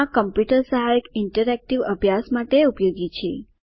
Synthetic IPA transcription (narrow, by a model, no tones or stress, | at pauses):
akəmpjuʈəɾsəɦaikɪɳʈəɾɛk̚ʈiʋəbʱjasmaʈeupjoɡit͡ʃʰe